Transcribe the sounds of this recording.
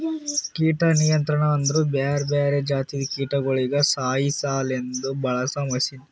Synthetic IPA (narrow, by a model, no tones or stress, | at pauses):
kiːʈɐnijɐnt̪ɾɐɳɐɐnd̪ɐɾuːbaːɾbeːɾed͡ʒaːt̪id̪ikiːʈɐɡoɭiɡɐsaːjisaːle̞nd̪ubʱɐɭɐsaːmɐsin